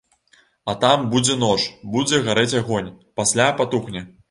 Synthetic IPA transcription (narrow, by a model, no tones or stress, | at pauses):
ɐt̪ambud͡zʲɛn̪ɔt͡ʂbud͡zʲɛɣaɾɛt͡sʲaɣɔnʲ | pasʲlʲapat̪uxnʲɐ